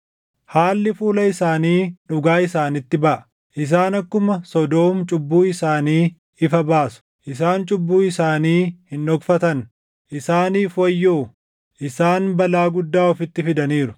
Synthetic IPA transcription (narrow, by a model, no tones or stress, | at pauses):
haːlːɪfuːlɐɪsaːniːᶑʊɡaːɪsaːnɪt̪ːɪbɐʔɐ̥ | ʔɪs̬aːnɐkːʊmɐsɔd̪o̞ːmt͡ʃʼʊbːuːɪsaːniː | ɪfɐbaːsʊ̥ | ʔɪsaːnt͡ʃʼʊbːuːɪsaːniːhɪnᶑɔɡfɐt̪ɐn | ʔɪsaːniːfwɐjːoː | ʔɪsaːnbɐlaːɡʊd̪ːaːɔfɪt̪ːɪfɪd̪ɐniːɾʊ